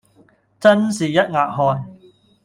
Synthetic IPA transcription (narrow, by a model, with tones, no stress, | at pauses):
t͡sɐ˥nsiː˨˩jɐ˦˥t̚ŋaː˨˩t̚ɦɔː˨˧n